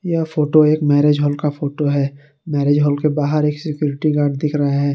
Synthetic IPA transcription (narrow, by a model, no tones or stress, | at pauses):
jɐfoːʈoeːkmɛːɾeːd͡ʒɦɔːlkafʰoːʈoɦɛː | mɛːɾeːd͡ʒɦɔːlkebaːɦəɾeːksɪkjuːɾɪʈiɡaːɾɖd̪ɪkʰɾɐɦaɦɛː